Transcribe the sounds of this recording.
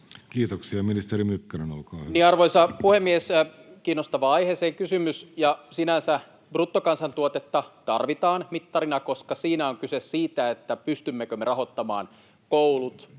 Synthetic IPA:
kiːt̪oksiɑminist̪eɾimykːeɾinolkɑːniːɑrʋoisɑpuhemːieskiːnːost̪ɑʋɑɑiheseːŋkysymysjɑsinænsæ | brut̪ːokɑnsɑnt̪uot̪et̪ːɑt̪ɑrʋit̪ɑːnmit̪ːɑrinɑkoskɑsiːnæoŋkysessiːt̪æet̪ːæpyst̪ymːekømːerɑɦot̪ːɑmɑ̰ːn | koulut̪

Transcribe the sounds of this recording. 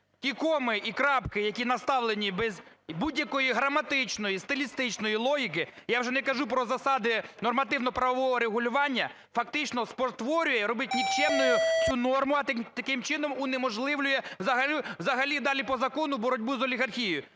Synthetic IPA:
kʲikɔmɪʔikɾɑpkɪjɐkʲinɐst̪ɑʋlˠenʲibɛzbudʲjɐkɔjiɦɾɐmɐt̪ɪt͡ʃnɔjist̪ɪlʲist̪ɪt͡ʃnɔjilˠɔɦʲikɪjawʒɛnɛkɐʒupɾɔzɐsɑd̪ɪnɔrmɐt̪ɪwnɔpɾɐʋɔʋɔɦɔɾeɦʊlʲʊʋɑnʲːɐ | fɐk̚t̪ɪt͡ʃnɔspɔrt̪ʋɔɾʲʊjɛɾɔbɪt̚ʲnʲikt͡ʃɛmnɔjʊt͡sʲunɔrmʊɐt̪ɐkɪmt͡ʃɪnɔmunːɛmɔʒlˠɪʋlʲʊjɛwzɐɦɐlʲiwzɐɦɐlʲid̪ɑlʲipɔzɐkɔnʊbɔɾɔdʲbuzɔlʲiɣɐrxʲijʊ

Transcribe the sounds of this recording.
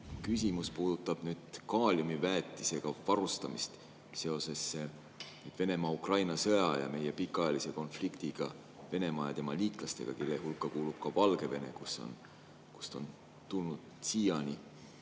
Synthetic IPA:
kys̬ʲimuspuːd̪̥ut̪ːˑɑb̥nyːd̪̥kɑːlʲumivæːt̪ːˑise̞ɡ̥ɑvɑɾust̪ɑmist̪ | se̞o̞se̞sːe | nyːd̥̪ve̞ne̞mɑukrɑjnɑsɤjɑjɑ̰me̞jepikːˑɑjɑlise̞ko̞nflikt̪iɡ̥ɑ | ve̞ne̞mɑjɑt̪e̞mɑliːk̪ˑlɑst̪e̞̰ɡ̥ɑ̰kelːehulkːˑɑkuːlub̥̚kɑvɑlɡ̥e̞ve̞ne̞̰kuso̞̰n | ku̥st̪o̞̰n | t̪ulnud̪̥siːjɑni

